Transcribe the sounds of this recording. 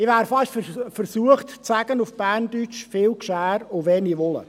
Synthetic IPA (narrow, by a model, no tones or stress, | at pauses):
ɪʋæːɾfɑʃffəɾsuəχtt͡sæɡ̥ənufb̥æːrndyt͡ʃfɪːlkʃæːɾoʋɛːniʋɔlə̰